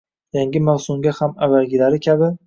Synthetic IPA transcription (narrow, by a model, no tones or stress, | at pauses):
jaŋɡʲɪmawsʊmɡʲahamavːalɡʲɪlaɾɪkʲʰabɪ